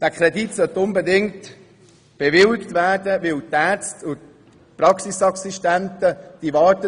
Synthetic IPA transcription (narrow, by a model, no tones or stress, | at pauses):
d̥ækʰɾɛditsœt̪ʊnbedɪŋt | b̥evɪlɪktvæɾdəʋɪlt̪æt͡stʰʊt | pɾɑksisɑksiʃtæntəd̥ivɑːɾtə